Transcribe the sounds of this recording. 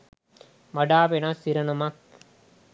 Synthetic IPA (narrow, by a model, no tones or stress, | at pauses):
mɐɖaːpenɐsːiɾɐnɐmɐk̚